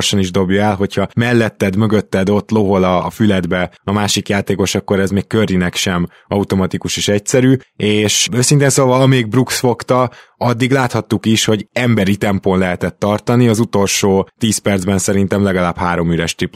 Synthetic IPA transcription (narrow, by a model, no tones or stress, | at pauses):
rʃɒniʒd̪o̞bjɒɛlɦo̞chɒmɛlːɛt̪ːɛd̪mø̞ɡø̞t̪ːɛd̪o̞t̪ːlo̞ɦolɒːfylɛd̪bɛɒmaːʃikjaːt̪eːko̞ʃɒkːo̞ɾɛzmeːkkørinɛkʃɛm | ɒut̪o̞mɒt̪ikuʃeːʃɛcsɛɾyːeːʃøːsint̪eːnsoːvɒlɒmeːɡ̚bruksfo̞kt̪ɒɒd̪ːiɡlaːt̪hɒt̪ːukiʃho̞ɟɛmbɛɾit̪ɛmponlɛɦɛt̪ɛt̪ːɒrt̪ɒniɒzut̪o̞lʃoːt̪iːspɛrd̪zbɛnsɛɾint̪ɛmlɛɡɒlaːbhaːɾo̞myɾɛʃt̪ip